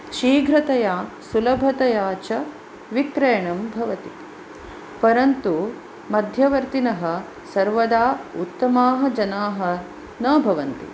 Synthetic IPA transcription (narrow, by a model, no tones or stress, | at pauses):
ʃiːɡʱɾɐt̪ɐjaː | sulɐbʱɐt̪ɐjaːt͡ʃɐ | ʋikɾɐjɐɳɐmbʱɐʋɐt̪i | pɐɾɐnt̪u | mɐd̪ʱjɐʋɐɾt̪inɐɦɐ̆ | sɐɾʋɐd̪aːut̪ːɐmaːɦɐ̆d͡ʒɐnaːɦɐ̆ | nɐːbʱɐʋɐnt̪ḭ